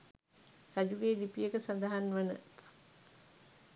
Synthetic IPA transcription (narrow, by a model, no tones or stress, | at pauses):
ɾæd͡ʒuɡeːlipijəkəsand̪aɦanʋənə̰